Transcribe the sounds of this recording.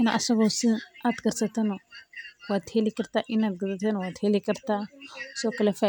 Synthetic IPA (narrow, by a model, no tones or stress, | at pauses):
inaʔa̰sobasiat̪ɡəɾsat̪anuwat̪helikəɾt̪aʔinat̪̚ɡət͡satanwat̪helikəɾt̪asokəlefa